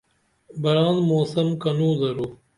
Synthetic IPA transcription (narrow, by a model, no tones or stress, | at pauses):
bɐɾaːnmoːsɐmkɐnuːzɐɾoː